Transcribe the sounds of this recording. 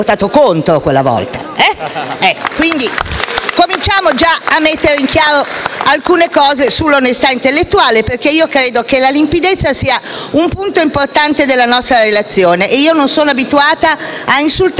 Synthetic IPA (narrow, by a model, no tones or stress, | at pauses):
ot̪aːt̪okont̪ɾokwelːa̰vɔ̰lt̪a̰ | ɛɛkːo̥kwind̪ikomint͡ʃaːmod͡ʒaamːet̪ːeɾeiŋkjaːɾoalkuːnekɔːzesulːonest̪aint̪elːet̪ːuaːleperkeiːokɾeːd̪ok̟elalimpid̪et̪sːasiːa | umpunt̪oimport̪ant̪ed̪elːanɔst̪ɾaɾelat̪sːjoːneʔeiːononsoːnoabit̪uaːt̪aainsult̪